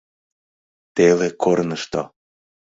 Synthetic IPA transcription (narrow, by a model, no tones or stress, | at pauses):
t̪elekoɾnəʃt̪o